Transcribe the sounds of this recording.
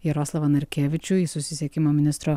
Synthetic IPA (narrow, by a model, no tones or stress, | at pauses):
jɛɾɔːslˠɐʋɐnɐɾʲkʲeːʋʲɪt͡ʃʲʊisʊsʲɪsʲɛkʲɪmoːmʲɪnʲɪst̪ɾo